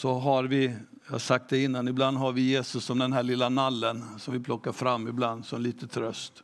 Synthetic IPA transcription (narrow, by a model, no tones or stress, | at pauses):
sɔɦaɾvɪ | jasak̚t̪̚d̪ɛɪnːanɪbland̪ɦaɾvɪjeːsɵsːɔmd̪ɛnɦæːɭɪlːanalːənsɔmvɪpʰlɔkːaɾfɾamːɪbland̪sɔɛliːt̪ət̪ʰɾœst̪